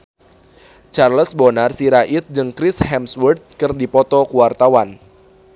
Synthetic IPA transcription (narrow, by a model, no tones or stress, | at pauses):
t͡ʃarləsbɔnarsiɾaʔɪt̪̚d͡ʒɨŋkɾishɛmswərt̪̚kɨrdipɔt̪ɔkuwart̪awan